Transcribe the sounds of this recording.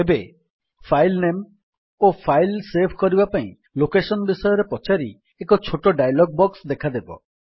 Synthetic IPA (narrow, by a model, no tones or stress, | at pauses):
ebe | pʰajlnem | opʰajlsebʰʱkɔɾibapaĩ | lokesɔnbisɔjɔɾepɔt͡ʃaɾi | ekɔt͡ʃʰoʈɔɖajalɔɡ̚bɔksd̪ekʰad̪ebɔ̰